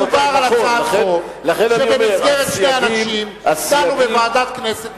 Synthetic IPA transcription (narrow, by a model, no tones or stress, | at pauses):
vaʁalaoao | laχenanʃiemeɡeʁet̪ʃejanaʃimasanubevaːdat̪kneset